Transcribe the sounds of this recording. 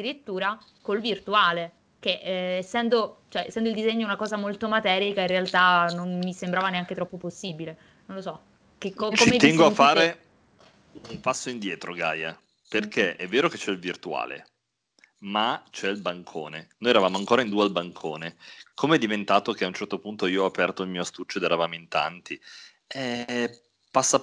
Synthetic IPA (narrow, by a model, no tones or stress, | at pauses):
d̪iɾit̪ːuːɾakolvirt̪uaːle | keʔɛsːɛnd̪ot͡ʃoɛɛsːɛnd̪oild̪izɛɲːounakɔːzamolt̪omat̪ɛːɾikairealt̪anonmisembɾaːvaneaŋk̟et̪ɾɔpːoposːiːbile | nonlosɔ | kekːokt͡ʃːoimet̪ɛŋɡoafːaːɾe | umpasːoind̪jɛːt̪ɾoɡa̰ːja̰ | perkʰeʔɛvːeːɾoket͡ʃːɛilvirt̪ua̰ːlḛ | mat͡ʃɛilbaŋkʰo̰ːnenoːjɛɾavaːmoaŋkoːɾaind̪ualbaŋkʰoːnekʰomeɛd̪ːivent̪aːt̪okeaunt͡ʃɛrt̪opunt̪oiːoapɛrt̪oilmiːoast̪ut͡ʃːoed̪ɛɾavaːmoint̪a̰nt̪i | ɛ | pasːa